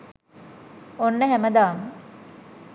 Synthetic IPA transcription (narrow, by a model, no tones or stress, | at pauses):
onːəɦæməd̪aːmə